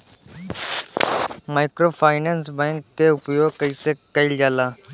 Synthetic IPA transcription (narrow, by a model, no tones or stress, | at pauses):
maːɪkɾoːpʰaːɪnɛ̃ːnsbɛ̃ːŋkːeʊpjoːɡ̚kəiːseːkəild͡ʒaːlaː